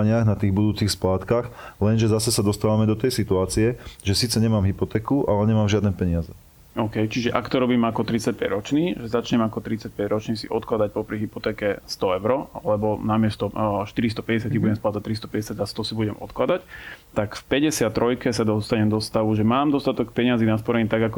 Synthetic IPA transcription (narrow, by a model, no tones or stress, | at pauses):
ɲɪaɣnat̪iːɣbud̪uːt͡sixsplaːt̪kaxlɛnʒɛzasɛsad̪ɔst̪aːʋamɛd̪ɔt̪ɛjsit̪uaːt͡siɛʒɛsiːt͡sɛɲɛmaːmɦipɔt̪ɛːkuʔalɛɲɛmaːmʒɪad̪nɛpɛɲɪazɛ | ɔːkɛjt͡ʃiʒɛʔakt̪ɔɾɔbiːmakɔt̪ɾit͡sac̚pɛɟɾɔt͡ʃniːʒɛzat͡ʃɲɛmakɔt̪ɾit͡sac̚pɛɟɾɔt͡ʃniːsḭʔɔt̪klad̪ac̚pɔpɾiɦipɔt̪ɛːkɛst̪ɔɛʊɾɔalɛbɔnamɪɛst̪ɔʃt̪iɾis̬t̪ɔ̥pɛɟɛsɪacibuɟɛmsplat̪t͡s̪ac̚t̪ɾist̪ɔ̥pɛɟɛsjaɟast̪ɔsibuɟɛmɔ̰t̪klad̪act̪akfpɛɟɛsɪat̪t̪ːɾɔjkɛsad̪ɔst̪aɲɛmd̪ɔst̪aʋuʒɛmaːmd̪ɔst̪at̪ɔk̚pɛɲɪazinaspɔɾɛɲit̪aɡakɔ